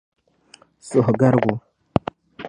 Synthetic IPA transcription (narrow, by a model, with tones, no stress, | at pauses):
su˨hɡa˦ɾɡʷu˨